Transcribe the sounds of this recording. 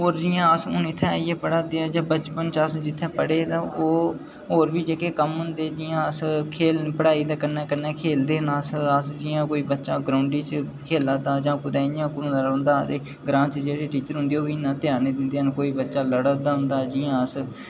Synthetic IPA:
ɦoːɾd͡ʒɪjãːəsõːnɪt̪ʰːɛ̃ːiɛːpəɽaːd̪eːãːd͡ʒãːbət͡ʃpənt͡ʃasd͡ʒɪt̪ʰːɛ̃ːpəɽeːt̪ãːʔoː | ɦoːɾbiːd͡ʒeːkeːkəmɦʊnd̪eːd͡ʒɪːãːəskʰeːlpəɽaːiːd̪aːkənɛːkənɛːkʰeːld̪eːnaːsasd͡ʒɪjãːkoːiːbətːʃaːɡɾaːʊɳɖiːt͡ʃ | kʰeːlaːd̪aːd͡ʒãːpʊd̪ãːɪjãːkʊɾũːd̪aːɾɦʊ̃nd̪aːt̪eː | ɡɾãːt͡ʃd͡ʒeːɾeːʈiːt͡ʃəɾɦʊ̃nd̪eːoːbiːnaːt̪ɪjaːneːd̪ɪnd̪eːnkoːiːbətːʃaːləɽəd̪aːɦʊ̃nd̪aːd͡ʒɪːjãːəs

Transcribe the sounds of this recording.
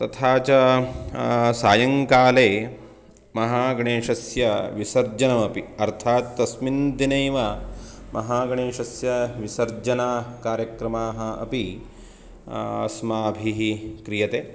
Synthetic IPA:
t̪ɐt̪ʰaːt͡ʃɐ | saːjɐŋkaːleː | mɐɦaːɡɐɳeːʂɐsjɐʋisɐɾd͡ʒɐnɐmɐpiɐɾt̪ʰaːt̪ːɐsmind̪inɐːʋa | mʔɐɦaːɡɐɳeːʃɐsjɐʋisɐɾd͡ʒɐnaːkaːɾjɐkɾɐmaːɦɐɐ̰pi | ɐ̰smaːbʱiɦikɾijɐt̪eː

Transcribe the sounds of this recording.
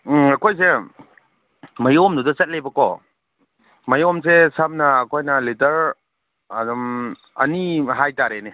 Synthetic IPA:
ɐkʰojs̬e | mɐjomdudɐsɐt̚lebɐkɔ | mɐjɔms̬esɐmnɐːkʰojnɐlitɐɾ | adɔm | ɐ̰niɦajtaɾene

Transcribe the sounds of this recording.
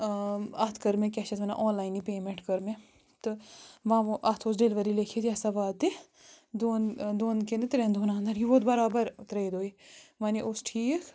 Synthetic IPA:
ɐt̪ʰkəɾmẽkʲɛʃɐt̪ʋɐna̰ʔɔːnlaːinipeːmẽɳʈkɐɾmẽ | t̪ɨʋɐ̃ʋoʔaːt̪ʰoːsɖeːlʋɐɾilekʰet̪iasaʋaːt̪e | d̪oːnd̪oːnkẽnd̪et̪ɾend̪oːnãːnd̪ɐɾjiboːt̪bɐɾaːbəɾt̪ɾeid̪oːimaːniʔosʈʰiːk

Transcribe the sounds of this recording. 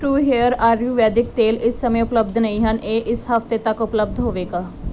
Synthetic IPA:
ʈuːɦeːəɾaːɾjuːʋɛːd̪ɪk̚t̪eːlɪsːəmẽːʊpləb̚d̪nəĩːɦəneːʔɪsɦəft̪eːt̪əkʊpləb̚d̪ɦoːʋeːɡaː

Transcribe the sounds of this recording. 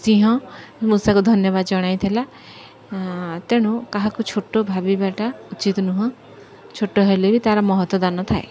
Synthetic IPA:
siɦɔ̃musakud̪ʱɔnjɔbad̪d͡ʒɔɽ̃ajt̪ʰela | t̪eɽ̃ũkaɦakut͡ʃʰoʈːobʱabibaʈaut͡ʃit̪nuɦɔ̃ | t͡ʃʰoʈːoɦelebit̪aɾɔmɔɦɔt̪wɔd̪anɔt̪ʰae

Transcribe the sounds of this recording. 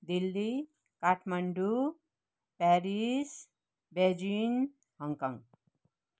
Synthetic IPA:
d̪ilːi | kaʈʰmaɳɖu | pɛɾis | bed͡ʒin | ɦʌŋkɔ̰ŋ

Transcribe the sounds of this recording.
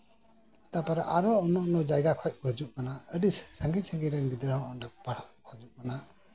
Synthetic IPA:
t̪apaɾaʔaɾɔɔnɔʔnɔd͡ʒajɡakʰɔc̚bʱəd͡ʒuʔkanaəɖissəŋɡisəŋɡiɾɛnɡid̪ɾəɦɔ̃ʔɔɖəpaɽaʔbʱəd͡ʒuʔkana

